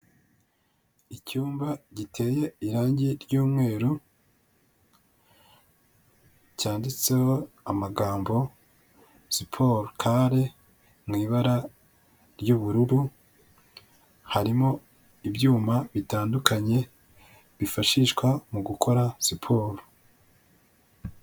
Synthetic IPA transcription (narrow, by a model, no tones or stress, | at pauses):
icuːmbaɟitʰe̞ːje̞iɾaːɲɟiɾjuːmŋe̞ːɾu | caːndit͡se̞ho̞ | amaɡaːmbo̞ | sipʰo̞ɾkʰaɾe | mŋiːβaɾa | ɾjuβuɾuɾu | haɾimo̞ | ibjuːmaβitaːndukaɲe̞ | βifaʃiʃkwamuɡukʰo̞ɾasipʰo̞ːɾo